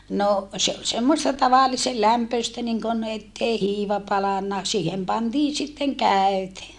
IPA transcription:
no se ol semːostɑ tɑʋɑlːise læmpøistæ niŋkon etːei hiːʋɑ pɑlɑnːɑ siːhem pɑntiːn sitːeŋ kæˑøte

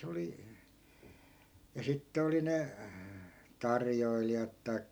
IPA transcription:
se oli jɑ sitːe oli ne tɑrjoilijɑt tɑi̯kːɑ

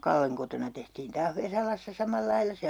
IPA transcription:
kɑlːeŋ kotonɑ tehtiːn tɑːh ʋesɑlɑsːɑ sɑmɑlːɑilːɑ

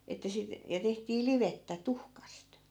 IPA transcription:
etːæ sit jɑ tehtiː liʋetːæ tuhkɑst

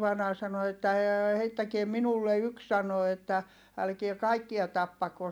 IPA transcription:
ʋɑinɑː sɑno etːæ eː heitːækie minulːe yks sɑno etːæ ælkie kɑikːiɑ tɑpːɑkos

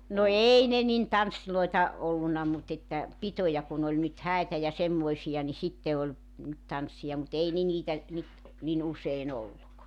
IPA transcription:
no ei ne nin tɑnsːiloitɑ olːunɑ mut etːæ pitojɑ kun olʲ nyt hæˑitæ jɑ semːoisijɑ ni sitːe olʲ nyt tɑnsːij̆ɑ mut ei ne niːtæ nyt nin usein olːuk

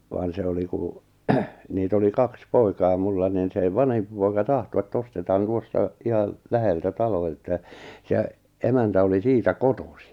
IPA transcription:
ʋɑːn se oli kuˑ niːt oli kɑks poikɑː mulːɑ nin seˑ ʋɑnhempi poikɑ tɑhto etː ostetɑːn tuostɑ ihɑl læheltæ tɑlo etːæ se emæntæ oli siːtæ kotosi

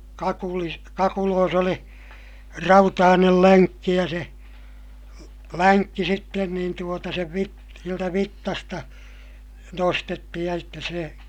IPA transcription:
kɑkulis kɑkuloːs oli rɑutɑːnel læŋkːi jɑ se lænkːi sitːen niːn tuotɑ seʋ ʋit sieltæ ʋitːɑstɑ nostetːihij jɑ sitːes se

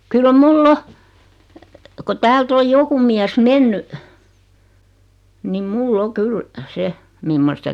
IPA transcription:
kyl mulː o ko tæːlt oj joku miæs menːy nim mulː o kyl se mimːostɑ

